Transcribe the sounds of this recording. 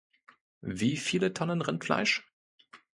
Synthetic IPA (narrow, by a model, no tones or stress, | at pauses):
viːfiːlətʰɔnənʁɪntfla̰ɪʃ